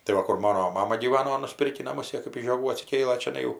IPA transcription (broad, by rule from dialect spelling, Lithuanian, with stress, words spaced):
tɐɪ ˈʋɐ ˈkʊr ˈmɑːnoː ˈmɑːmɐ ɡʲiːˈʋɑːnoː nʊˈsʲpʲɪrʲkʲiː nɐˈmʊs ˈjeː kɜp ɪʃ ʒʲoːˈɡuː ɐtʲsʲɪˈkʲeːlˠɘ t͡ʃʲɛˈnɐɪ jɛʊ